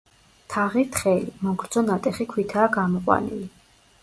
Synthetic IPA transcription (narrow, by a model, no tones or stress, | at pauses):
t̪ʰaʁit̪ʰχɛlimɔŋɡɾd̪z̥ɔnat̪ʼɛχikʰwit̪ʰaːɡamɔqʼwa̰nḭli